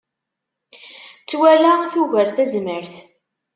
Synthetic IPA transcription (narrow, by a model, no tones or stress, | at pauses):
t͡sːwælæθuʝəɾθæzməɾθ